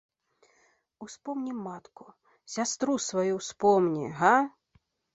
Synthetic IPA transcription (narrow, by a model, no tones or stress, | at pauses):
uspɔmnʲimːat̪ku | sʲast̪ɾusvajuwspɔmnʲḭɦa